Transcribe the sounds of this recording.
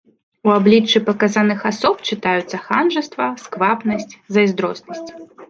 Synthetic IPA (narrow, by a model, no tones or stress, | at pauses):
uablʲit͡ʂːɨpɐkazanɨxasɔpt͡ʂɨt̪ajut̪sːɐxanʐɨst̪vɐskvapnɐsʲt͡sʲzɐjzd̪ɾɔsnɐsʲt͡sʲ